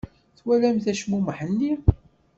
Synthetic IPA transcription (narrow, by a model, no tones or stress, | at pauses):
θwælæmθæʃmuməħənːi